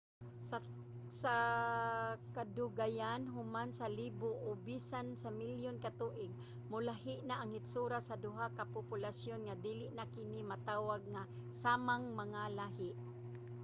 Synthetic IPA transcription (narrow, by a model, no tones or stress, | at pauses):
sa | kad̪ʊɡajanɦʊmansalibʊʔobisansamiljonkat̪uːʔɪɡ̚ | mʊlaɦɪʔnaʔaŋɪt̪suɾasad̪ʊɦakapʊpʊlasjonŋad̪iːlɪʔnakɪnimat̪aːwaɡ̚ŋa | saːmaŋmaŋalaɦɪʔ